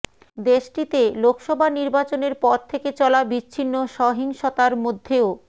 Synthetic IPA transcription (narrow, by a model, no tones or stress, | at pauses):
d̪eʃʈit̪elokʰʃɔbʱaniɾbat͡ɕoneɾpɔɾt̪ʰːeket͡ɕɔlabit͡ɕːɕʰinːoʃɔɦiŋʃot̪aɾmod̪ʱːeo